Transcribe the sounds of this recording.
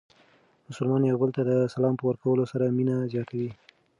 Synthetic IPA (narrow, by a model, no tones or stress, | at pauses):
mʊsəlmɑnjawbəlt̪ad̪əsalɑmpəwəɾkawəlosaɾaminazjɑt̪ʰawi